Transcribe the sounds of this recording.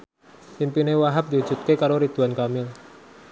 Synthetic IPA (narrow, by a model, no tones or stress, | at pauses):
pimpinewaɦap̚d̪iudd͡ʒ̥ṳt̪̚kekaɾoɾid̪̥ṳankamɪl